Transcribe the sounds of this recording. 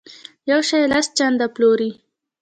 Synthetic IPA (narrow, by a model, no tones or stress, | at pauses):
jawʃajelast͡ʃand̪aploɾi